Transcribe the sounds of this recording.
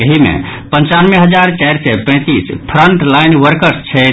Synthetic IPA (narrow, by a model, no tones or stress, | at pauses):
əɦimḛpənt͡ʃanmeɦəd͡ʒaɾt͡ʃajɾsɛpə̃ɪ̃t̪ispʰɾəɳʈlajnʋəɾkəɾst͡ʃʰɛ